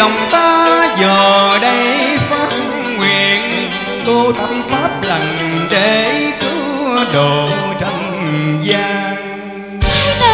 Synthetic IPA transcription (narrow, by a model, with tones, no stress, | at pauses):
ɗə˨˩wŋ͡mt̪aː˧zəː˨˩ɗə˧jfaː˦˥t̚ə˧ŋ͡mŋwi˨˩ən | k̪o˧t̪ə˧mfaː˦˥p̚lə˨˩jŋɗe˧˩kɨ˧˦ɗo˨˩˨t͡ɕɔ˧wŋ͡mzaː˧ŋ